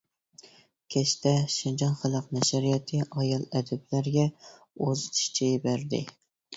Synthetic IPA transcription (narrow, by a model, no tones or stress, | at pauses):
kʲʰɛʃt̪ʰɛʃind͡ʒɑnχəlˠəqnɛʃæɾijɑt̪ʰɨʔɑjɑlˠɛd̪ɛblæɾɡʲɛ | ozt͡ʃʰi̥t͡ʃʰebæɾd̪ɪ̰